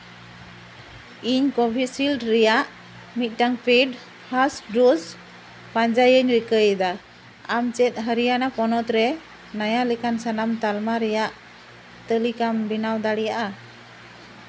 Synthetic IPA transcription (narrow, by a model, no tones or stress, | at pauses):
iɲkɔbʱisilɖɾɛjaʔ | mit̪̚ˀʈaŋpʰiɖ | pʰasɖuz | paɲd͡ʒajəɲɾikəjd̪a | amt͡ʃɛt̪̚ɦəɾijanapɔnɔt̪ɾɛ | najalɛkansanamt̪almaɾɛjaʔ | t̪əlikambinawd̪aɽijaʔa